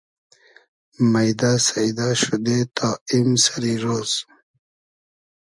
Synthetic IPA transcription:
majd̪asaid̪aːɕud̪et̪aːimsaɾiɾoːz̥

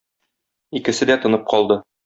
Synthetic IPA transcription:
ikɘ̆sɘd̪æt̪ŏnɤp̚qɒlˠd̪ɤ

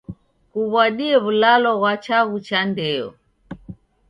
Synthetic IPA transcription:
kuβwaɗiɛβulalɔɣwat͡ʃaɣut͡ʃandɛɔ̰

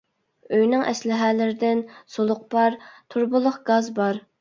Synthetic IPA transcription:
øjnɪŋʔɛ̰slɪɦɛːlɪɾɪd̪ɪnsolˠʊq̚pɑɾt̪ʰuɾbʊlˠʊχɡ̥ɑzbɑɾ

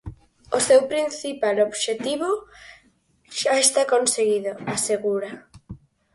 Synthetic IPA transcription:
osewpɾinθipaloβʃet̪iβo | ʃaest̪akonseɣiðoaseɣuɾa

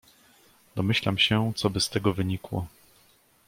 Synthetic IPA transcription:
d̪ɔmɘɕlamɕɛt̪sɔbɘst̪ɛɡɔvɘɲikwɔ̰

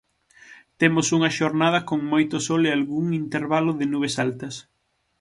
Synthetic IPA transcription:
t̪emʊsuŋɐʃoɾnað̞ɐkoŋmojt̪ʊsɔlɪalɣuŋint̪eɾβalʊðɪnuβ̞esalt̪ɐs

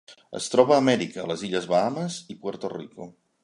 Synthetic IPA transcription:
ə̰st̪ɾɔβəːmɛɾikəːləziʎəzβaaməzipwəɾt̪orḭku

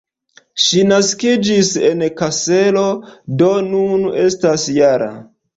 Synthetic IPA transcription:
ʃinaskid͡ʒise̞nkase̞lo̞do̞nune̞stasjaɾa̰

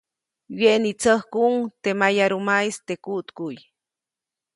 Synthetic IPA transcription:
weʔnit͡səhkuŋt̪emajaɾumajst̪ekuʔt̪kuj

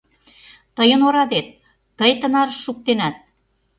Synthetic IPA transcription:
t̪əjə̆noɾɑd̪et̪̚ː | əjt̪ə̆nɑɾʃːuk̚t̪enæt̪̚

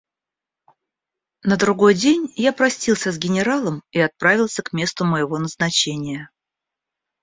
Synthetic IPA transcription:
nəd̪ɾʊɡo̞jdʲenʲjapɾɐsʲtʲilˠsʲəzɡʲɪnʲɪɾalˠəmiɐt̪̚pɾavʲɪlˠsʲəkmʲe̞st̪ʊməjɪvo̞nəznɐt͡ɕenʲɪjə

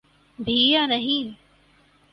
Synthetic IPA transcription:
bʱiːjanɐɦĩː

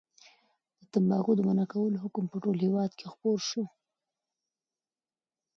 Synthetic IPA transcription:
d̪̥ət̪ambɑɣod̪əmanakawəloɦʊkʊmpəʈolhewɑd̪kʰexpoɾʃu

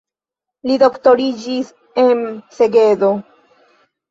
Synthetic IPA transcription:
lido̞ktoɾid͡ʒis | ense̞ɡe̞do

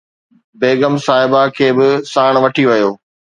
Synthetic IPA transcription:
beːɡəmsaːɦɪbakʰeːbɪsaːɽ̃ʋɐʈʰiʋɐjoː

